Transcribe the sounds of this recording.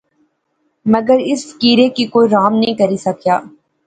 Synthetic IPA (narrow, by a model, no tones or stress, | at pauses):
mɐɡəɾɪskiːɾekikoːiɾaːmnɐɦĩkɐɾisɐkjaː